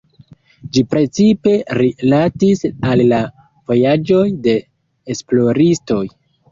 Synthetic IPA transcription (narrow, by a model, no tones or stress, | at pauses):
d͡ʒipɾe̞t͡sipe̞ɾilatisalːa | vo̞jad͡ʒo̞jde̞ː | splo̞ɾisto̞j